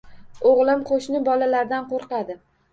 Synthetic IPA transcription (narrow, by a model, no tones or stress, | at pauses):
oʁlˠɪmqʰoʃnɪbɒlalaɾd̪anqoɾqɑd̪ɪ